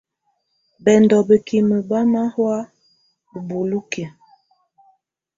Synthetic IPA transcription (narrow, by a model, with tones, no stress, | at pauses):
bɛ˨ndɔ˨bə˨ki˨mə˨ba˦ma˦hwa˦ | bə˨bo˨lu˦ke˨